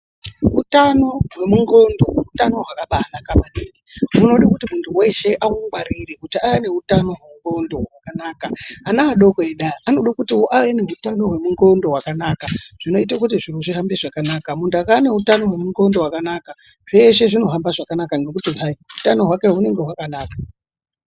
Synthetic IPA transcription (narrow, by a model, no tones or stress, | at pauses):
utano̞ɦwe̞muŋɡo̞ndo̞weutano̞ɦwakaɓaːnakamaneːniuno̞ɗakutimuntʰuwe̞ʃe̞ʔamuŋɡwaɾirekutiawene̞utano̞ɦwemuŋɡo̞ndo̞ɦwakanakaːnaaɗokeɗaːno̞ɗakutioʔawene̞ɦutano̞ɦwe̞muŋɡo̞ndo̞ɦwakanakaʐ̥ino̞itakutiʐiroʐiɦambeʐakanaːkamuntuakaane̞ɦutano̞ɦwe̞muŋɡo̞ndo̞wakanaka | ʐ̥eʃe̞ʐino̞ɦambaʐakanakaŋɡe̞k̬utiɦaiɦutano̞ɦwake̞ɦune̞ŋɡeɦwakanaːkḁ